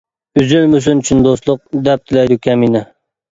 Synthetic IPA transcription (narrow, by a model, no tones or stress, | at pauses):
yzylmys̬unt͡ʃʰynd̪oslˠʊq̚d̪ɛp̚t̪ʰɪlɛjd̪ukʲʰɛminɛ